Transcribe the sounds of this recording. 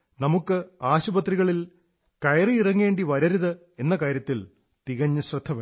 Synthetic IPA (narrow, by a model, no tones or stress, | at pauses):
nɐmukːɨaːɕubɐt̪ːriɣɐɭil | kɐjriirɐŋːe̞ːɳɖiʋɐɾɐɾuðɨ | enːɐkaːɾjɐt̪ːil | t̪iɣɐɲːɨɕrɨd̪ʱːɐʋe